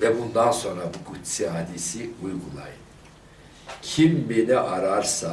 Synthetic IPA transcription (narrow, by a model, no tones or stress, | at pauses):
vɛbund̪anso̞nɾabuɡut̪sihad̪isiujɡulˠa̰jɯn | cʰimːeniʔaɾaɾsa